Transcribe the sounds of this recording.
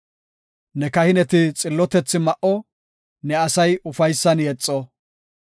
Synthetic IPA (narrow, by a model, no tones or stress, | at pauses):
nɛkɐhɪnɛt̪ɪt͡sʼɪlːɔt̪ɛt͡sːɪmɐʔɔ | nɛɐsɐjʊfɐjsːɐnjɛt͡sʼːɔ